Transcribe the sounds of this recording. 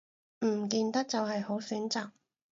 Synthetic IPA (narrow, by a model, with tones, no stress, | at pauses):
m̩˨˩kiː˨˧nt̪ɐ˥k̚t͡sɐ˨wɦɐ˨jho˨˥wsyː˨˥nt͡saː˨k̚